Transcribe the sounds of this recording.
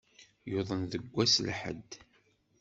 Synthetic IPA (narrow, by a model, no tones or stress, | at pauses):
joðˤənðəɡʷːæslħə̰d̪ː